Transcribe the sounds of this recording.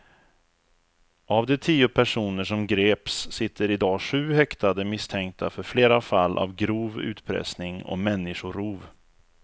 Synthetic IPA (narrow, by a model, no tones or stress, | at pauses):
ʔavd̪ɛt̪ʰiːʊpʰæʂuːnəʂɔmɡɾeːpsːɪt̪ʰːəɾɪd̪ɑːɧʉ̟ːhɛkt̪ad̪əmɪst̪ʰɛŋk̚t̪ʰafœɾfleːɾafalːʔa̰vɡɾuːvʉ̟̰ːt̪pʰɾɛ̰snɪŋɔ̰mɛnːɪɧʊɾuːv